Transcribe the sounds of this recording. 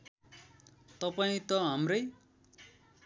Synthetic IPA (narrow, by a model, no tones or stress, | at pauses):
t̪ʌpaĩt̪ʌɦamrʌj